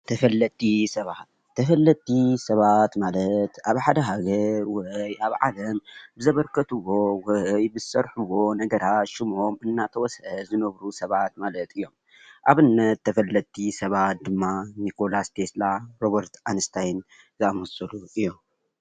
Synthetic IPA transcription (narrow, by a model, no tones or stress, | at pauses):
t̪ʰɐfɐlːɐt̪ʰːisɐβat̪̚ʰːɐfɐlːɐt̪ːisɐβat̪malɐt̪aβħad̪ɐɦaɡɐɾwɐjʔaβʕalɐmbɨzɐβɐɾkʰɐt̪ʰɨwo̞wɐjbɨsɐɾħuwo̞nɐɡɐɾat̪ʃɪmʔo̞mɨnːat̪ʰɐwɔsɐzɨnɐβɾusɐβat̪̚malɐt̪ʰɨjːo̞m | ʔaβɨnːɐt̪ːɐfɐlːɐt̪ʰːisɐβat̪̚d̪ɨmːanikʰo̞last̪ʰe̞slaɾoβɐɾt̪ʰanɨst̪ʰajn | zɨamɐsɐluʔɨjːom